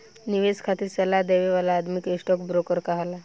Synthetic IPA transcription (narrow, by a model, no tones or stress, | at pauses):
niʋeskʰat̪iɾsəlːad̪eʋeʋalaːd̪mikesʈɔkbɾokəɾkaɦala